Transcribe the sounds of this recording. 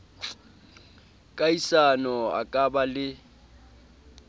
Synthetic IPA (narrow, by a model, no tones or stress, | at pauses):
kʼaisanɔa̰kʼabalɪ